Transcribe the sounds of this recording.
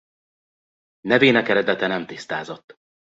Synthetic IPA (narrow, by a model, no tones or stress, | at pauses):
nɛveːnɛkɛɾɛd̪ɛt̪ɛnɛmt̪ist̪aːzot̪ː